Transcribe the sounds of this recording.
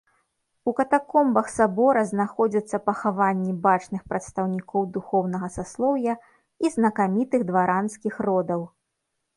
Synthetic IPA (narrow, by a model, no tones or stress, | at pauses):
ukɐt̪akɔmbɐxsabɔɾɐznaxɔd͡zʲit̪sːɐpɐxavanʲːibat͡ʂnɨxpɾɐt̪st̪ɐwnʲikɔwd̪uxɔwnɐɣɐsaslˠɔwjɐ | iznɐkamʲit̪ɨɣd̪vaɾanskʲixrɔd̪ɐw